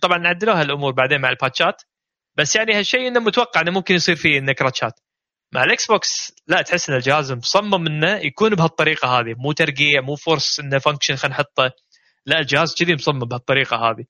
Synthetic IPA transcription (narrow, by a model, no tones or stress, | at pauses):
t̪ˤɑbʕɑnːʕad̪ːɪluːhalʔʊmuːɾbaʕd̪eːnmaʕɪlpaːt̪ʃaːt̪ | basːjaʕnihaʃːejːʔɪnːamʊt̪awɑqːɑʕɪnːamʊmkɪnjsˤiːɾfiʔɪnːakɾˤɑːt̪ʃa̰ːt̪ | maʕɪlʔɪksboːkslaʔt̪ħɪsːʔɪnːald͡ʒɪhaːzmsˤɑmːɪmʔɪnːajakuːnbhɑt̪ˤːɑɾiːqɑɦaːðimuːt̪ɑɾˤɡiːʕmuːfʊɾsˤʔɪnːafaŋkʃɪnxanħʊt̪ˤːɑ | laʔld͡ʒɪhaːzd͡ʒɪd̪imsˤɑmːɪmbhat̪ˤːɑɾiːqɑɦa̰ːði